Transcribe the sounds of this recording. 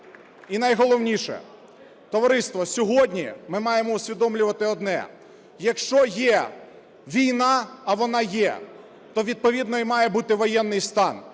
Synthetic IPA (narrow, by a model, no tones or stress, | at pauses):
inɐjɦɔlˠɔwnʲiʃɛ̰ | t̪ɔʋɐɾɪst̪ʋɔsʲɔɦɔdʲnʲimɪmɑjemɔusʲʋʲid̪ɔmlʲʊʋɐt̪ɪɔd̪nɛ̰ | jɐkʃt͡ʃɔjɛ | ʋʲijnɑːʋɔnɑjɛ̰ | t̪ɔʋʲid̪̚pɔʋʲid̪nɔimɑjɛbut̪ɪʋɔjɛnːɪjst̪ɑn